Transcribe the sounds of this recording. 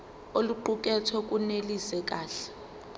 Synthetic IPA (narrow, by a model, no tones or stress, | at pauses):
oluǃuk̬ʼɛtʰɔkʼunelisɛk̬ʼaːɬɛ̥